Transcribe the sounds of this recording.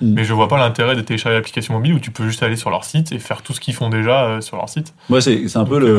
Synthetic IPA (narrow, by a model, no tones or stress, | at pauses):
mɛʒəvwapalɛ̃t̪eʁɛd̪ət̪eleʃaʁʒelaplikasjɔ̃mɔbilut̪ypøʒyst̪alesyʁlœ̰ʁsit̪ʰefɛʁt̪usə̥kʲifɔ̃d̪eʒaøsyʁlœ̰ʁsit̪ | mwasɛsɛɛ̃pølə